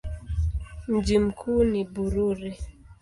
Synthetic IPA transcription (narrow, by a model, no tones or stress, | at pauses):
nd͡ʒimkʰunibuɾuɾɛ